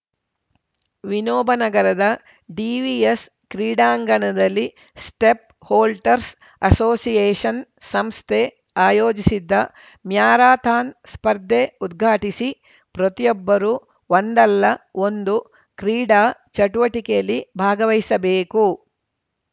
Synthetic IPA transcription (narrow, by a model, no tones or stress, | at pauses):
ʋinoːbʱɐnɐɡɐɾɐd̪ɐ | ɖiːʋies | kɾiːɖaːŋɡɐɳɐd̪ɐlːi | sʈep̚ | hoːlʈɐɾs | ɐsoːsijeːʂɐnsɐmst̪ʰe | aːjoːd͡ʒisid̪ːɐ | mjaːɾaːt̪ʰaːnspɐɾd̪ʱːeud̪ɡʱaːʈisi | pɾot̪ijɔbːɐɾuː | ʋond̪ɐlːɐo̞nd̪u | kɾiːɖaːt͡ʃɐʈuʋɐʈikejɐlːibʱaːɡɐʋɐjsɐbeːku